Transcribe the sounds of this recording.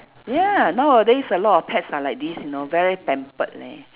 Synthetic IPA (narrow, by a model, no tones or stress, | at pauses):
janodɛisəlɔtɔfpʰɛtsalajk̚disjunovɛɹipɛ̃mpət̚lɛ̰̃